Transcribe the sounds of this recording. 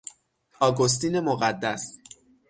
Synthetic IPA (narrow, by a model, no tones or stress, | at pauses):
ɒːɡo̞s̬t̪iːne̞mo̞ɣæd̪ːæs